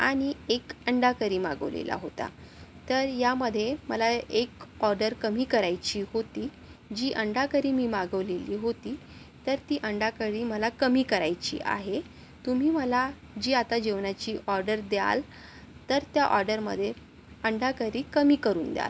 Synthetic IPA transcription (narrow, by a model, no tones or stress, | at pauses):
a̰ɽ̃iekəɳɖakəɾiːmaɡə̰ʋlḛla̰ɦot̪a̰ | t̪əɾjaməd̪ʱːjeməlaekɔɾɖəɾkəmiːkəɾajt͡ɕiːhot̪iː | d͡ʑiːʔəɳɖakəɾiːmiːmaɡəʋleliːɦot̪iː | t̪əɾt̪iːʔəɳɖakəɽiːməlakəmiːkəɾajt͡ɕḭːʔa̰ɦe | t̪um̤iːməla | d͡ʑiːat̪ad͡ʑeʋnat͡ɕiːʔɔɾɖəɾd̪ja̰l | t̪əɾt̪jaʔɔɾɖəɾmə̰d̪ʱːje | əɳɖakəɾiːkəmiːkəɾuːnd̪ja̰l